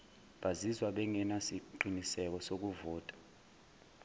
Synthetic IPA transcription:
ɓazizwaɓɛŋʱɛnasiǃinisɛk̬ɔsok̬uvɔːtʼḁ

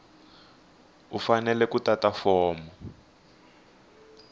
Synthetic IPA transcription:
ufanɛlɛkutatafɔːmɔ

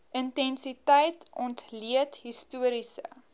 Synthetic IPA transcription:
ʔəntɛnsitəjtɔntliətɦistuəɾisə̰

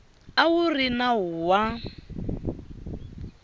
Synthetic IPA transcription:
awurinaɦuwa

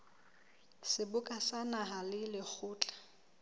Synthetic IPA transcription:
sɪbʊkʼasanaɦalɪlɪk͡xʰʊːt͡ɬʼḁ

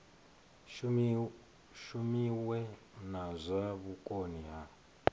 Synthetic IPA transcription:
ʃumiwɛ | nazʷaβukʼoniɦa

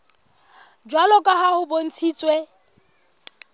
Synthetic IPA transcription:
d͡ʒwalɔkʼaɦahʊbon̩t͡sʰiːt͡sʼwe

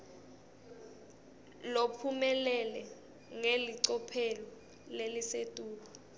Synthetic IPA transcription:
lopʰumɛlɛlɛ | ŋeliǀɔpʰelɔ | lelisetʼuːka

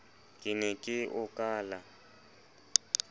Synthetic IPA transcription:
kʼɪnɛkʼɪʔʊkʼaːla

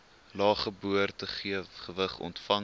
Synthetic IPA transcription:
lɑːχəbuərtəχiəχəvəχɔ̰ntfɐŋ

